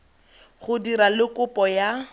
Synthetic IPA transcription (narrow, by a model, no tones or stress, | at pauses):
χʊdiɾalɪkʊpʼɔja